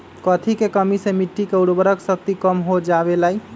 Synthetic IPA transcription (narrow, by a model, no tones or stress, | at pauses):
kət̪ʰikekəmisẽmiʈːikeuɽbəɾəksək̚t̪ikəmɦod͡ʒaβelai